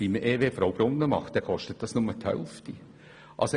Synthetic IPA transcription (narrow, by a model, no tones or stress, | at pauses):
iməʔeːʋeːfɾɑʊb̥ɾʊnːəmɑ̰χt̚d̥ɛːkʰɔʃtət̪̚d̥ɑsnʊmət̪ʰœ̰ʊft̪i | ʔɑ̰ls